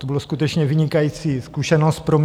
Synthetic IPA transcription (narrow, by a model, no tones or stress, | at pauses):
t̪obɪloskut̪ɛt͡ʃɲɛvɪɲɪkajiːt͡siːskuʃɛnost̪pɾom